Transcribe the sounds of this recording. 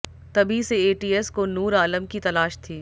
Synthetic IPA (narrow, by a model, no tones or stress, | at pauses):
t̪ɐbʱiseeːʈiːɛskonuːɾaːləmkit̪ɐlaːʃt̪ʰiː